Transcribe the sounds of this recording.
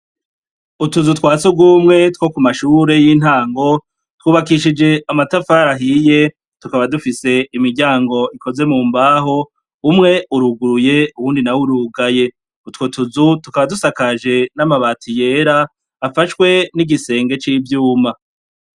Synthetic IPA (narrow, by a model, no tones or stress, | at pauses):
utuzutkwaːt͡suɡwuːmŋe̞two̞kumaʃuːɾe̞jin̥haːŋɡo̞ | twuːβakiʃid͡ʒe̞amatafaːɾaɦiːje̞ | tukaβadufise̞imiɾɟaːŋɡo̞ikʰo̞ze̞muːmbaːɦo̞ | umŋe̞uɾuɡuɾuje̞uwuːndinawuɾuɡaje̞ | utwotuzutukaβadusakaʒe̞namaβaːtʰije̞ːɾaː | faʃkwe̞niɡise̞ːŋɡe̞t͡ʃiːvjuːma